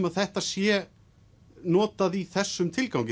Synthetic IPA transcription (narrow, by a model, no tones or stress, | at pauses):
maðθɛht̪asjɛ | nɔːt̪aðiθɛsːʏmt̪ʰɪlkawŋc